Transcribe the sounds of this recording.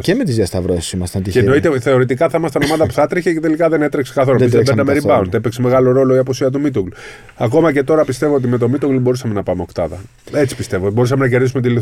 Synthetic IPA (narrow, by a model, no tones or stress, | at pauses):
cemet̪izjɐst̪ɐvɾoeso̥simɐst̪et̪ienoit̪eθeo̞ɾit̪ikɐθɐmɐst̪onomɐðɐpu̥θɐt̪ɾiçecet̪e̞likɐðene̞t̪ɾeksekɐθooizðeeɾdɐmeɾibɐunt̪epekseme̞ɣɐlo̞ɾo̞lo̞iɐpusiɐt̪umit̪uɡl | ɐko̞mɐce̞t̪o̞ɾɐpist̪e̞vo̞ot̪̬ime̞t̪o̞mit̪oɡlbo̞ɾusɐme̞nɐpɐmeo̞kt̪ɐðɐ | e̞t͡si̥pist̪e̞vobo̞ɾus̬ɐmenɐce̞ɾðisume̞t̪̬ili